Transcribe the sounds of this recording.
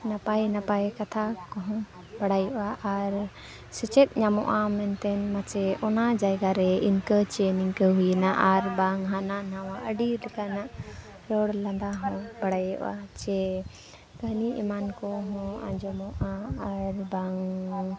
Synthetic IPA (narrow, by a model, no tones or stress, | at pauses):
napajnapakat̪ʰakɔɦɔ̃ | bəɽajɔʔaʔaɾ | sɛt͡ʃɛt̪̚ˀɲamɔ̰ʔamɛnt̪ɛnmat͡ʃɛɔnad͡ʒajɡaɾɛinkət͡ʃɛniŋkəɦujnaʔaɾbaŋɦananawaʔəɖilɛkanaʔ | ɾɔɽlãnd̪aɦɔ̃baɽajɔ̰ʔa̰t͡ʃɛ | ɡəɦniḭmankɔɦɔ̃ã̰d͡ʒɔmɔʔaaɾbaŋ